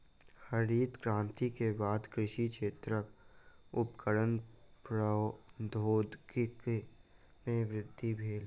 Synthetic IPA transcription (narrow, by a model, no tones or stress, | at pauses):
həɾiːt̪kɾãːnt̪ikebaːd̪kɾɪʃikʃeːt̪ɾəkʊpkəɽənpɾəd̪ʱoːd̪kk | mẽʋɾɪd̪ʱːibʱeːl